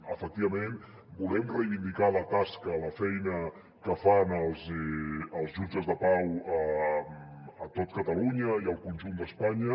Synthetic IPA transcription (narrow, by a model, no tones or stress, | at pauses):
əfək̚t̪iβəmen | bulɛmrəjβind̪ikalət̪askələfɛjnə | kəfanəlˠz | əlˠzʒud͡ʒəzðəpawə | ət̪ot̪̚kət̪əluɲəiəlˠkunʲʒund̪əspaɲə